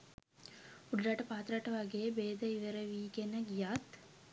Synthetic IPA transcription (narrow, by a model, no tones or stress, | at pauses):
uɖɾaʈɐpaːt̪ɾaʈɐʋaɡebeːd̪əiʋəɾəʋiːkenəɡijat̪